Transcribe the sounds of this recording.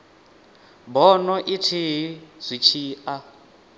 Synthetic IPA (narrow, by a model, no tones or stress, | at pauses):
bɔnɔʔitʰiɦiz̥ʷit͡ʃʰiːʔa